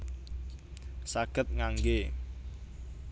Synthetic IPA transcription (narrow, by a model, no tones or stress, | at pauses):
saɡ̥ət̪̚ŋaŋɡe